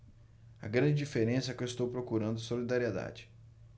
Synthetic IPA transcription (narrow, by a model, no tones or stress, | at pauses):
ɐ̰ɡɾɐ̃d͡ʒɪd͡ʒifeɾẽsɐɛkewɪst̪owpɾokuɾɐ̃nd̪ʊsolid̪aɾied̪a̰d͡ʒɪ